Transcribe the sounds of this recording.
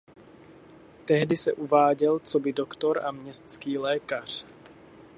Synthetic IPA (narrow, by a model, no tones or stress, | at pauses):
t̪ɛɦdɪsɛʔuvaːɟɛlt͡so̞bɪdokt̪o̞ɾa̰mɲɛst̪t͡skiːlɛːkar̝̥